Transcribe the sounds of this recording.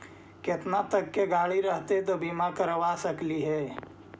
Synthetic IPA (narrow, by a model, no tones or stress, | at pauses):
kɪt̪nat̪əkːeɡaːɭiɾəɦt̪et̪obiːmãkəɾʋasəkliɦɛː